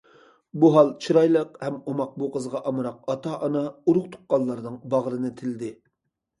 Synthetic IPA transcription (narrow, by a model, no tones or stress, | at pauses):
buɦɑlˠt͡ʃʰiɾɑjlˠəqhɛmumɑq̚buqʰəzʁɑʔɑmɾɑq̚ɑt̪ʰɑʔɑnɑuɾʊχt̪ʰʊ̥qːɑlˠːɑɾnɨŋbɑʁɾɨnɨt̪ʰɪlɪd̪ɪ